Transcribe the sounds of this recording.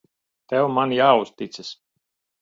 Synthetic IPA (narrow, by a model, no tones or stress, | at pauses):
t̪ɛwmanjaːust̪it̪ses